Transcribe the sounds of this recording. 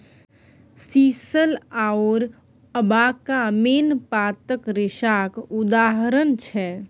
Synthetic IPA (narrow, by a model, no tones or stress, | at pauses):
sisəlaoɾ | əbakameːnpat̪əkɾɪʃakud̪aɦɾənt͡ʃʰɛ